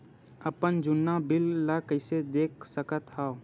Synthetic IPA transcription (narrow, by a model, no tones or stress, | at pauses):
əpənd͡ʒʊnːabɪlːakəɪsed̪eːk̚səkət̪hao